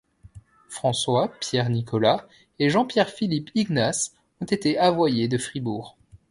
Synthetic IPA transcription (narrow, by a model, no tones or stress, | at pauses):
fχɑ̃swapjɛʁnikʰɔla | eʒɑ̃pjɛʁfilipiɡnas | ɔ̃t̪et̪eavwajed̪əfχibuːʁ